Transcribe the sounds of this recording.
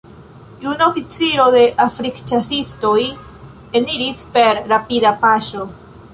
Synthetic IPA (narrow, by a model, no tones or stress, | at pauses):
junofit͡siɾo̞d̪e̞ʔafɾikt͡ʃasisto̞j | eniɾispe̞ɾɾapid̪apaʃo̞